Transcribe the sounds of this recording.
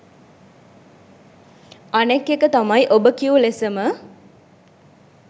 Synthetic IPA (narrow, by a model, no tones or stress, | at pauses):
anekːekət̪amaiʔobəkiulesəmə